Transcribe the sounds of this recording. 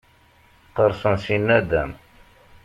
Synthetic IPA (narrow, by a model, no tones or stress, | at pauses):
qəɾˤsənsinːæd̪æm